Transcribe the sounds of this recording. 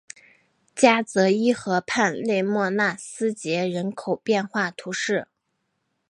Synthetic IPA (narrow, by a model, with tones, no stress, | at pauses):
t͡ɕja˥t͡sɤ˧˥i˥xɤ˧˥pʰa˥˧nle˥˧ɪmwɔ˥˧na˥˩sɹ̩˥t͡ɕjɛ˧˥ɻə˧˥nkʰo˨˩ʊpjɛ˥˧nxwa˥˩t̪ʰu˧˥ʂɻ̩˥˩